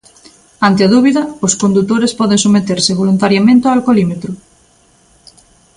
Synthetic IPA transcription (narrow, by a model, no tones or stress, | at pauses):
ant̪eaðuβiðɐoskond̪ut̪oɾespɔðẽŋsomet̪eɾseβolunt̪aɾjamẽnt̪eaalkolimet̪ɾʊ